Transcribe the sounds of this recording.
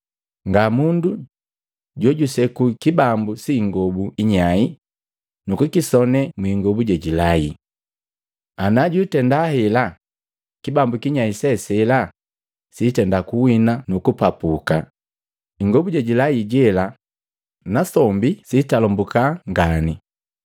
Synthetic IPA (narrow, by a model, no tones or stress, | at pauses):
ŋɡamundu | ɟɔɟusɛkukibambusiːŋɡɔbuiɲai | nukukisɔnɛmwiŋɡɔbuɟaɟilai | anaɟuitɛndahɛla | kibambukiɲaisɛsɛla | sitɛndakuwinanukupapuka | iŋɡɔbuɟaɟilaiɟɛla | nasɔmbisitalɔmbukaŋɡani